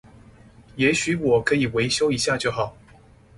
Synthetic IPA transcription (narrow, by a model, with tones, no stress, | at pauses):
jɛ˧˥ɕy˨˥˦wɔ˨˩kʰɤ˧˥i˨˩we˧˥ɪɕjo˥ʊi˧˥ɕja˥˧t͡ɕjo˥˩ʊxɑ˨˩˦ʊ